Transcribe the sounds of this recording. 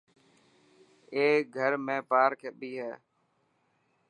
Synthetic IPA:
eːɡʱəɾmẽːpaːɾkʰeɓiːɦɛː

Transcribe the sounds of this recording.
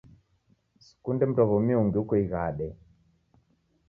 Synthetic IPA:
su̥kundɛm̩twaɣɔmiuŋɡiukɔiɣaɗɛ

